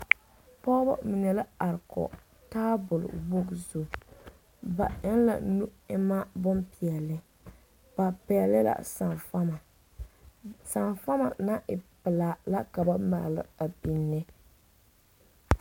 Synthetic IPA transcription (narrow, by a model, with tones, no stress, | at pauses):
pɔ˦ba̰˦mi˨nɛ˨la˦a˨ɾkɔ̰˨ | taː˦bʊ˨l̰bo˦ɡzʊ˨ | ba̰˨ɪ˦nla̰˨nu˦ɪ˦ma˦bʊ˦mpi˨ɛ˨lɨ˦ | ba˨pɛ˨ɛ˨lːɨ˦la̰˨sa˨nfa˦ma˨ | sa˨nfa˦ma̰˨na˦ʔɪ˨pɪ˨laː˨la˦ka˨ba˦ma̰˨lɨ̰˦a˨bi˨nːɨ˦